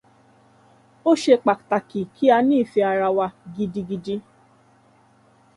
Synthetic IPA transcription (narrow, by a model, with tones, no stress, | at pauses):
o˦ʃe˧k͡pa˨ta˨ki˨kʰi˦a˧nĩː˦˨fi˧a˨ɾa˧wa˧ɡi˧di˧ɡi˧di˧